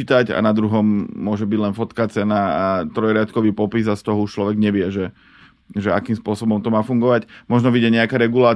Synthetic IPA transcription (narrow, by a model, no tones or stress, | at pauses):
it̪aca̰nad̪ɾuɦɔmːʊɔʒɛbiɟlɛnfɔt̪kat͡sɛnaat̪ɾɔjɾɪat̪kɔʋiːpɔpizast̪ɔɦɔuʃt͡ʃlɔʋɛɡɲɛʋɪɛʒɛ | ʒɛakiːmspʊɔsɔbɔmt̪ɔmaːfuŋɡɔʋacmɔʒnɔʋiɟɛɲɛakaɾɛɡulaː